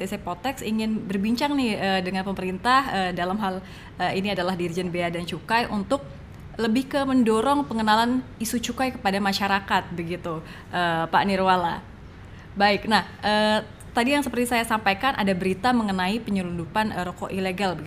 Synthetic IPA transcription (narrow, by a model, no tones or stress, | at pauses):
d̪esepot̪ɛksiŋɪnbərbiɲt͡ʃaŋnɪhədəŋanpəməɾint̪ahəːdalamɦal | əiniadalahdirid͡ʒɛnbeadant͡ʃukajʔṵnt̪ʊk̚ | ləbɪhkəməndɔɾɔŋpəŋənalanisut͡ʃukajkə̥padamaʃaɾakat̪̚bəɡit̪u | ʔəpa̰nirwala | baɪk̚nahʔə | t̪adijaŋsəpərt̪isajasampajkanʔa̰dabəɾit̪aməŋənaipəɲulundupanɾokoʔileɡalbəɡi